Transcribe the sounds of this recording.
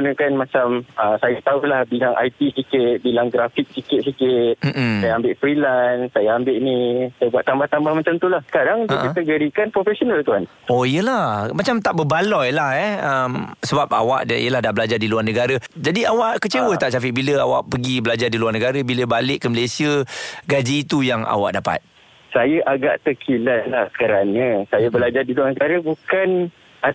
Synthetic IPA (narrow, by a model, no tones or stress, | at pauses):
unəkanmat͡ʃaməsajat̪aulahbilaŋʔa̰jt̪isikɪt̪̚bilaŋɡɾafɪk̚sikɪt̪̚sikɪt̪̚m̩ʔm̩ajaambɪʔfɾilansajaambɪʔnisajabuaʔ̪t̪ambaht̪ambahmat͡ʃamt̪ulahkadaŋtuʔkĩt̪əɡəɾikanpɾofɛsonəlt̪uɦan | oijəlamat͡ʃamt̪aʔbəbalɔjlahɛəmsəbap̚a̰wa̰ʔḭəlahdabəlad͡ʒardiluarnəɡaɾəd͡ʒadiawaʔkət͡ʃewət̪aʔsafɪʔbiləawa̰ʔpəɡibəlad͡ʒardiluarnəɡaɾəbiləbalɪʔkːəməlesiəɡad͡ʒiːt̪ujaŋa̰wa̰ʔdapa̰t̪̚ | sajaʔaɡa̰ʔt̪əkʰilalahkəɾanəsajabəlad͡ʒardiluarnəɡaɾabukan | a